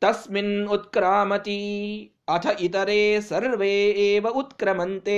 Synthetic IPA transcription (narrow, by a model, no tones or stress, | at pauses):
t̪ɐsminut̪kɾaːmɐt̪i | ɐt̪ʰɐʔit̪ɐɾeːsɐɾʋeːeːʋɐut̪kɾɐmɐnt̪e